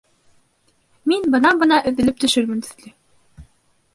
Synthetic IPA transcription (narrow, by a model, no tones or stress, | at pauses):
minbɤ̆nɑbɤ̆nɑʔɵ̆ðɘ̆lɘp̚t̪ɵ̆ʃɵɾmɘnt̪ɵ̥̆ðlɘ